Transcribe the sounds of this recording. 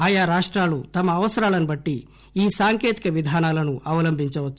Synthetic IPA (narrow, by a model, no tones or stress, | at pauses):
aːjaːɾaːʂʈɾaːlut̪ɐmɐːʋɐsɐɾaːlɐnubɐʈːi | iːsaːŋkeːt̪i̥kɐʋid̪ʱaːnaːlɐnuʔɐʋɐlɐmbʱiɲt͡ʃɐʋɐt͡ʃːu